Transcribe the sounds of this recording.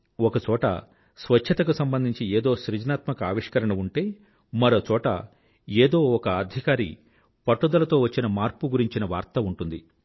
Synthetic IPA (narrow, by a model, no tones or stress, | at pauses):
ɔkɐt͡ʃɔːʈɐ̰ | sʋɐt͡ʃʰːɐt̪ɐk̬usɐmbɐnd̪ʱiɲt͡ʃieːd̪o̞ːʃɾid͡ʒɐnaːt̪mɐkɐaːʋiʂkɐɾɐɳɐuɳʈe̞ː | mɐɾo̞ːt͡ʃɔːʈɐ̰ | eːd̪o̞ːɔkɐːd̪ʱikaːɾḭ | pɐʈːud̪ɐlɐt̪o̞ːʋɐt͡ʃːinɐmaːɾpuɡuɾiɲt͡ʃinɐʋa̰ːɾt̪ɐuɳʈund̪i